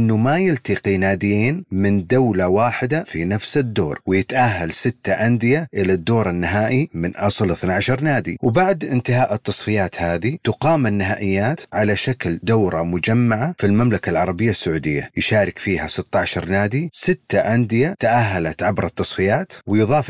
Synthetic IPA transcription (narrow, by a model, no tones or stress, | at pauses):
ʔɪnːumajɪlt̪iqinaːd̪ɪjeːnmɪnd̪awlawaːħɪd̪afinafsɪd̪ːo̰ːɾwɪjɪt̪ʔaɦːalsɪt̪ːaʔand̪ɪjaʔɪlad̪ːoːɾˤanːɪɦaːʔimɪnʔɑsˤlɪθnaʕʃɑɾˤnaːd̪ḭwbaʕd̪ʔɪnt̪ɪɦaːʔɪt̪ːɑsˤfɪjaːt̪haːðit̪ʊqɑːmanːɪɦaːʔɪjːaːt̪ʕalaʃakld̪awɾˤɑmʊd͡ʒamːaʕafilmamlakalʕɑɾˤɑbɪjːasːaʕuːd̪ɪ̰jːajʃaːɾɪkfiːhasɪt̪ːɑʕʃɑɾˤnaːd̪isɪt̪ːaʔand̪ɪjat̪aʔaɦːalat̪ʕabɾˤɑt̪ːɑsˤfɪjaːt̪wɪjðˤɑːf